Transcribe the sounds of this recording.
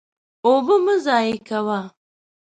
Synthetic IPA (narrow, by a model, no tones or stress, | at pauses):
obəməzɑːjikawa